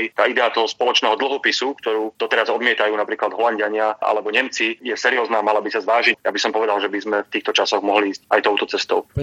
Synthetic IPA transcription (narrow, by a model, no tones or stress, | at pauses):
jt̪aːid̪ɛat̪ɔɦɔspɔlɔt͡ʃnɛːɦɔd̪l̩ˠɦɔpisukt̪ɔɾuːd̪̥ɔt̪ɛɾazɔd̪mɪɛt̪ajuːnapɾiːklad̪ɦɔlaɲɟɪaɲɪaʔa̰lɛbɔɲɛmt͡sijɛsɛɾiɔːznaːmalabisazʋaːʒijabisɔmpɔʋɛd̪alʒɛbizmɛft̪iːxt̪ɔt͡ʃasɔɣmɔɦliːscajt̪ɔʊt̪ɔt͡sɛst̪ɔʊ